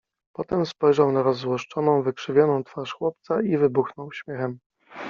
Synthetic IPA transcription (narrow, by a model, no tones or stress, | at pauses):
pɔt̪ɛmspɔjʐawnaɾɔzwɔʂt͡ʂɔnɔ̃w̃vɘkʂɘvʲjɔnɔ̃w̃t̪faʂxwɔp̚t̪saivɘbuxnɔwɕmʲjɛxɛm